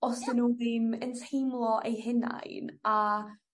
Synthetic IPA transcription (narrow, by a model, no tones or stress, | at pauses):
ɔsənuðiməntʰejmlˠɔʔejɦɪna̰jna